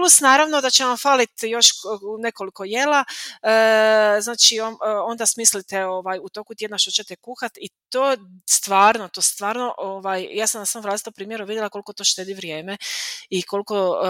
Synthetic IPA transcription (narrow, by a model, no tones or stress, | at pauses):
plusnaːɾaʋno̞d̪at͡ʃeʋamfaːlit̪jo̞ʃune̞ko̞liko̞je̞laəznaːt͡ʃioo̞nd̪asmislit̪eoʋaːjut̪o̞kut̪jed̪naʃt̪ot͡ɕe̞t̪ekuːxat̪it̪oːst̪ʋaːɾnot̪oːst̪ʋaːɾno̞ʔoʋaːjjaːsamnasamolaːsit̪ompɾiːmjeɾuʋid̪jelakolikot̪oʃt̪eːd̪iʋɾje̞ːmeiko̞liko